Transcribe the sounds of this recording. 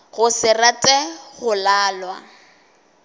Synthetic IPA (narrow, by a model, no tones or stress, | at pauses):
ɣʊsɪratʼɛχʊlaːlwa̰